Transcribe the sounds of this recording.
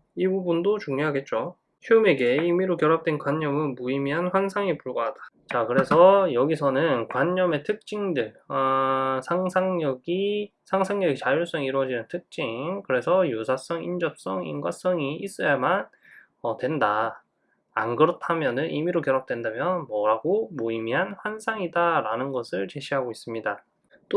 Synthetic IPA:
ibubundot͡ɕuŋɲoɦaɡe̞t̚t͡ɕ͈o | çuɯme̞ɡe̞imiɾokjʌɾap̚t͈we̞nkwaɲːʌmɯnmuimjʌnɸwaŋsʰaŋipuɭɡʌɦad̥ḁ | t͡ɕakɯɾe̞sʰʌjʌɡisʰʌnɯnkwaɲːʌme̞tʰɯk̚t͡ɕ͈iŋdɯɭʌsʰaŋsʰaŋɲʌɡisʰaŋsʰaŋɲʌɡit͡ɕajuɭs͈ʌŋiɾwʌd͡ʑinɯntʰɯk̚t͡ɕ͈iŋkɯɾe̞sʰʌjusʰas͈ʌŋind͡ʑʌp̚s͈ʌŋḭnɡwas͈ʌŋiis͈ʌjaman | ʌtwe̞nda̰ː | nɡɯɾʌtʰamjʌnɯnʔḭmiɾokjʌɾʌp̚t͈we̞ndamjʌnmʌɾaɡomoimiɦanɸwansʰaŋidaɾanɯnɡʌsʰɯɭt͡ɕe̞ɕʰiɦaɡois͈ɯmɲida | t͈o

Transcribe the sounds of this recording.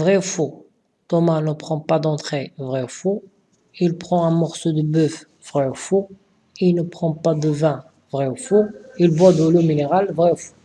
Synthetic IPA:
vʁɛfo | t̪ɔmanəpχɑ̃pad̪ɑ̃t̪χevʁɛofo | ilpχɑ̃ɛ̃mɔʁsod̪əbœf | vʁɛofo | ilnəpχɑ̃pad̪əvɛ̃ | vʁɛofoilvad̪əlomineʁalvʁɛfo̥

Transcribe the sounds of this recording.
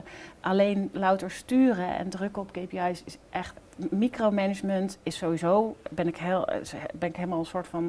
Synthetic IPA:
ʔɑlejnlɑwtəɹstyːrəʔɛ̰ndrɵkəɔpkejpiɑjsɪsʔɛχt | mikrowmɛnəd͡ʒməntɪsːowizowbɛnɪkɦeːlˠbɛnɪkɦeɪːlˠmaːlˠənsʊːɹtfɑn

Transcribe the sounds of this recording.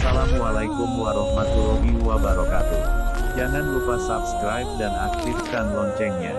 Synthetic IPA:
salamwalaikʊmwaɾɔhmat̪uɾɔɡiwabaɾɔkat̪ud͡ʒaŋanlupasapskɾajp̚dana̰k̚t̪ifkanlɔɲt͡ʃɛŋɲa̰

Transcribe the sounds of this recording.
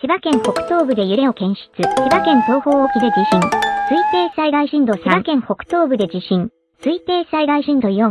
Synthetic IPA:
ɕibakẽ̞ɰ̃ho̞kɯ̟̥t̪o̞ːbɯ̟d̪e̞jɯ̟ɾe̞o̞kẽ̞ɰ̃ɕi̥t͡sɨɕibakẽ̞nt̪o̞ːho̞ːokʲid̪e̞d͡ʑiɕĩŋsɨit̪e̞ːsaiɡaiɕĩnd̪o̞ɕibakẽ̞ɰ̃ho̞kɯ̟̥t̪o̞ːbɯ̟d̪e̞d͡ʑiɕĩn | sɨit̪e̞ːsaiɡaiɕĩnd̪o̞ijo

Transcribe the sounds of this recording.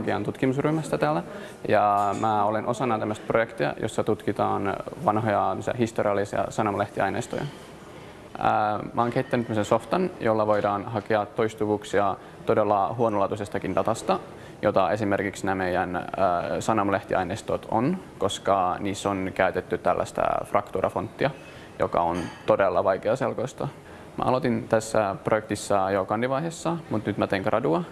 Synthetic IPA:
kiɑnt̪ut̪kimusryhmæst̪æt̪æːlæ | jɑmæːolenʔo̞sɑnːɑt̪æmːəst̪̚projekt̪iɑ̰jo̰sːɑt̪ut̪kit̪ɑːnʋɑnɦojɑæmːsiæ̰hist̪oriɑlːˑisiɑ̰sɑnɑmɑleht̪iɑ̰jnḛːst̪o̰jɑ̰ | əmʔæoːŋkeit̪ːænyt̪æmːseso̞ft̪ɑnjolːɑʋo̞jdɑːnhɑkeɑt̪ːo̞jst̪uʋuːksiɑ | t̪o̞delːɑɦuonolɑːt̪usest̪ɑkindɑt̪ɑst̪ɑ | jot̪ɑe̞simerkiksnæːmejænəsɑnɑmleht̪ḭɑ̰inest̪ot̪ʰo̰n | ko̞skɑniːsːonkæyt̪et̪ːyt̪ælːæ̰st̪æ̰frɑkt̪uɾɑ̰font̪ːiɑ | jo̰kɑ̰ont̪odelːɑʋɑjkeɑselkojst̪ɑ | mæ̰ʔɑlot̪int̪æsːæprojek̚t̪isːɑjokɑndiʋɑihesːɑmut̪nyt̪mæt̪eːŋkrʔɑduɑ

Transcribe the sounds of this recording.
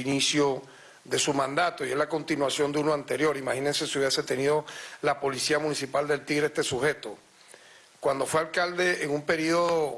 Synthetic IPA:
inisjo | ðe̞sumãnd̪at̪o̞ie̞zlako̞nt̪inwasjo̞nd̪eunoãnt̪e̞ɾjo̞ɾimaxinense̞siuβjeset̪e̞niðo̞lapo̞lisiamũnisipald̪e̞lt̪iɣɾeest̪esuhe̞t̪o̞ | kwand̪o̞fwealkald̪e̞eŋumpe̞ɾiðoð

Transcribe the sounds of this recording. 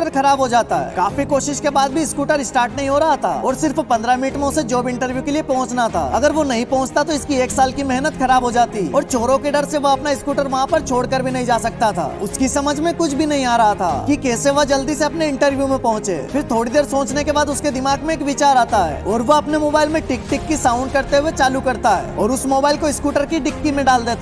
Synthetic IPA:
əɾkʰɐɾaːbɦod͡ʒaːt̪aɦɛ̰ːkaːfikoːʃɪʃkebaːd̪̚bʱiɪskuːʈəɾɪsʈaːɾʈnɐɦĩɦoɾɐɦat̪ʰa̰ːɔːɾsɪɾfpɐ̃nd̪ɾamɪnɪʈmẽʊsed͡ʒoːbɪ̃ɳʈəɾʋjukeliepɔ̃ɦʊ̃t͡ʃnat̪ʰa̰ːɐɡəɾʋonɐɦĩpɔ̃ɦʊ̃t͡ʃt̪at̪oɪskieːksaːlkimɛɦnət̪kʰɐɾaːbɦod͡ʒaːt̪iɔːɾt͡ʃoːɾõkeɖɐɾseʋoɐpnaɪskuːʈəɾʋɐɦãpɐɾt͡ʃʰoːɽkəɾbʱinɐɦĩd͡ʒaːsɐk̚t̪at̪ʰa̰ːʊskisɐməd͡ʒʱmẽkʊt͡ʃʰbʱinɐɦĩaːɾɐɦat̪ʰa̰ːkikeːseʋad͡ʒɐld̪iseɐpneɪ̃ɳʈəɾʋjumẽpɐɦʊ̃t͡ʃḛːfɪɾt̪ʰoːɽid̪eːɾsõːt͡ʃnekebaːd̪ʊsked̪ɪmaːɡmẽːkʋɪt͡ʃaːɾaːt̪aɦɛ̰ːɔːɾʋoɐpnemoːbaːɪlmẽʈɪk̚ʈɪkːisãːʊ̃ɳɖ̚kɐɾt̪eɦʊwet͡ʃaːlukɐɾt̪aɦɛ̰ːɔːɾʊsmoːbaːɪlkoɪskuːʈəɾkiɖɪkːimẽɖaːld̪eːt̪a

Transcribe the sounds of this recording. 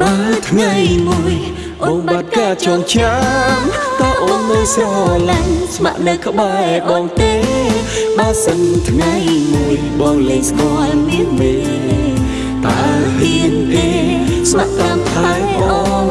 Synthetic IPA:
ɗaət̪ʰŋajmuəj | ɓɔŋɓat̪̚kaːt͡ɕɑŋt͡ɕaŋt̪ɔːʔomɨəjsɔlaŋsma̰ʔnɛkə̆ɓaɛɓɑːŋt̪eː | ɓasənt̪ʰŋajmuəjɓɑːŋləːŋskoəlniəmeː | t̪aəhɨnt̪e | smaʔkant̪ʰaaːŋʔɑ

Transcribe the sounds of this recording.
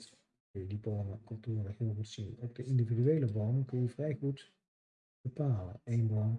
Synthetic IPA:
kɵnjədiboːməkɵlˠtuːrənəχɦɪːlˠχutsinɔb̚dəɪndividyejləbonəkɵnjəvrɛjχut | b̥əpaːlə̰nejnbɔn

